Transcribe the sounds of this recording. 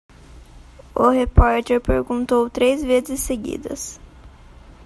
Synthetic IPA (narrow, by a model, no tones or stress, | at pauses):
ʊhepɔɾt̪eɾpeɾɡũnt̪owt̪ɾezvezɪsːeɡḭd̪ɐ̰s